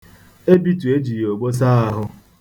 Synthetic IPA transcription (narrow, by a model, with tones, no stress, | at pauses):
e˦bi˦tu˨e˦d͡ʒi˨o˨ɡ͡bo˦s̬aː˦a˦˨ɦʊ˦